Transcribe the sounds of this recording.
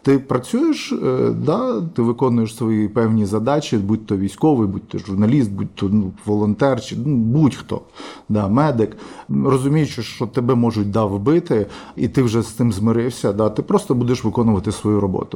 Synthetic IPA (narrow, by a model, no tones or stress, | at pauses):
t̪ɪpɾɐt͡sʲujeʃd̪ɑt̪ɪʋɪkɔnʊjeʃsʋɔjipɛwnʲizɐd̪ɑt͡ʃʲibudʲt̪ɔʋʲijsʲkɔʋɪjbud̚ʲt̪ɔʒʊrnɐlʲist̪̚bud̚ʲt̪ːɔnuʋɔlˠɔnt̪ɛrt͡ʃɪnubudʲxt̪ɔ̰ | d̪ɑmɛd̪ɪkrɔzʊmʲijʊt͡ʃeʃt͡ʃɔt̪ebɛmɔʒʊt̚ʲd̪ɑwbɪt̪ɪḭt̪ɪwʒɛst̪ɪmzmɪɾɪwsʲɐd̪ɑt̪ɪpɾɔst̪ɔbud̪eʃʋɪkɔnʊʋɐt̪ɪsʋɔjuɾɔbɔ̰t̪ʊ